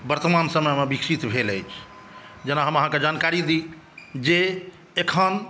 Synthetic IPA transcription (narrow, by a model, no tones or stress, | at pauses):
bəɾt̪əmansəməjmebikʃit̪bʱeləjt͡ʃʰ | d͡ʒenaɦəməɦãked͡ʒankaɾid̪i | d͡ʒe | ekʰən